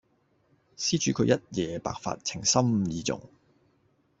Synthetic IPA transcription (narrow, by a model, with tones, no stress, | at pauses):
siː˥t͡ʃyː˨˧kʰɵ˧ɥjɐ˥t̚jɛː˨˧pa̰ː˨k̚fa̰ː˧t̚t͡sʰɪ˨˩ŋsɐ˥mjiː˨˧t͡sʊ̰˨˩ŋ